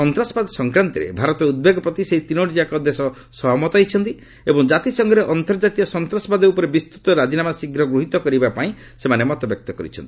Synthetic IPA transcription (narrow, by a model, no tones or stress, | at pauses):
ɔnt̪ɾasɔ̥bad̪ɔsɔŋkɾant̪iɾḛbʱaɾɔt̪ɔud̪̚beɡɔpɾɔt̪iseɦit̪inoʈid͡ʒakɔd̪esɔ | sɔɦɔmɔt̪ɔɦit͡ʃʰɔnt̪i | ebɔŋd͡ʒat̪isɔŋɡɔɾeʔɔnt̪ɔɾd͡ʒat̪iɔsɔnt̪ɾasɔbad̪upɔɾebist̪ut̪ɔɾad͡ʒinamasiɡɾɔɡɾuɦit̪ɔkɔɾibapaĩ | semanemɔt̪ɔbjɔk̚t̪ɔkɔɾḭt͡ʃʰɔ̰nt̪i̥